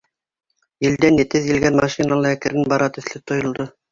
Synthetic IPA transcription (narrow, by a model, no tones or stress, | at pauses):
jɘ̆ld̪ænjɘ̆t̪ɘðjɘ̆lɡænmɑʃinɑlˠɤækɘ̆ɾɘnbɑɾɑt̪ɵ̆θlɘt̪ŏjŏlˠd̪o